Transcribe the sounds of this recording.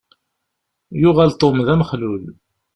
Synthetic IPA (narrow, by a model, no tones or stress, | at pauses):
jʊʁælt̪ˤːomðæmχlul